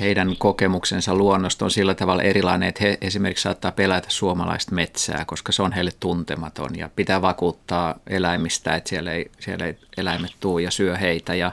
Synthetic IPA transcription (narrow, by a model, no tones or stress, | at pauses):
heidæŋkokemuksensɑlluonːost̪onsilːæt̪ɑʋɑlʔerilɑineet̪heʔesimerkiksɑːt̪ːɑːpelæt̪æ̥ssuomɑlɑ̰ist̪met̪sæ̰ːkoskɑseonheilːet̪t̪unt̪emɑt̪o̰njɑ̰pit̪æːʋɑkuːt̪ːɑːelæimist̪æ̰et̪sieleisielḛielæimet̪t̪uːjɑsyøheit̪æjɑ